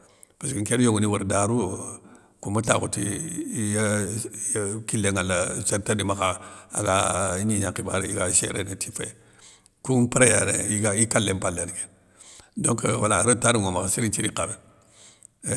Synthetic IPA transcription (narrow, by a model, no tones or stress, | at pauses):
paskiŋkeɾjoŋuniwuɾdaɾu | kumata̰kṵtḭja | kilːeŋalːaseɾtadimakaa̰ɡaɲiɲakiba̰ɾiɡaʃḛɾḛnetifa̰ | kupiɾejanḛiɡaikalːempalːenike̥ | doŋkwa̰laɾotaɾiŋomakasiɾit͡ʃiɾikabe